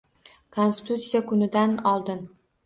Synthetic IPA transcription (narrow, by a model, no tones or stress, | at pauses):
kʰonsɪ̥t̪ut̪sijakʰʊnɪd̪anɒlˠd̪ɪn